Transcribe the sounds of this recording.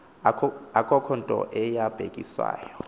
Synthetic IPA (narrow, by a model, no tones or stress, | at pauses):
akʼɔkʰɔntʼɔ̰ʔɛjab̥ʱekʼiswa̰ːjɔ